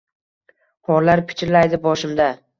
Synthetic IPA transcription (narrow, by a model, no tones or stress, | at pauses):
hɒɾlaɾpʰɪ̥t͡ʃʰɪɾlajd̪ɪbɒʃɪmd̪a